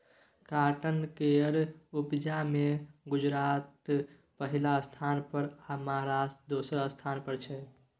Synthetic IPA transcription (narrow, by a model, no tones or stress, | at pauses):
kaʈənkeəɾubd͡ʒameɡʊd͡ʒɾat̪ | pəɦilaəst̪ʰanpəɾamaaɾasd̪osɾast̪ʰanpəɾt͡ʃʰɛ